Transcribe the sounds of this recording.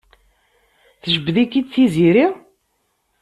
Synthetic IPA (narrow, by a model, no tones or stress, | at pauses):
θəʒəbðikːid̪θiziɾiʁ